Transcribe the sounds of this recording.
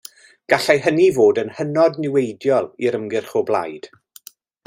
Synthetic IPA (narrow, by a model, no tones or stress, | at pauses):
ɡ̥aɬɛɦənivoːdənhənɔdnɪwejdjɔlˠiɾəmɡɪrχʊblˠa̰jd̥